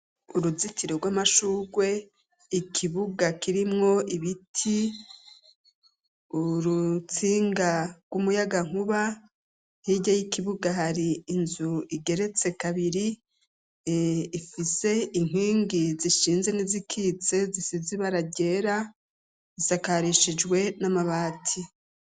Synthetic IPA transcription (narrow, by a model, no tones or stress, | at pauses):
uɾuzitiɾeɾɡwamaʃuːɡwe̞ | ikʰiβuɡakiɾimŋo̞iβitʰi | uɾut͡siːŋɡaɡwumujaɡaŋ̥huβa | hiɟajikiβuɡaɦaɾiːnzuiɡe̞ɾe̞t͡se̞kaβiɾi | fise̞iŋ̥iːŋɡiziʃiːnzenizikʰiːt͡se̞zisiziβaɾaɟe̞ːɾa | isakaɾiʃid͡ʒwe̞namaβaːtʰi